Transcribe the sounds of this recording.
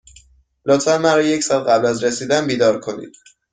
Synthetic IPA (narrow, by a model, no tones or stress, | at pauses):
lot̪ʰfænmæɾɒːje̞cʰsɒːlɢæblæzɾesiːd̪ænbiːd̪ɒːɾkʰo̞nḭd̪̥